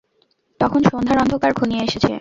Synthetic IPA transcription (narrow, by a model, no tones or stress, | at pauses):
t̪ɔkʰonʃond̪ʱaɾɔnd̪ʱokaɾɡʱunieeʃet͡ɕʰḛ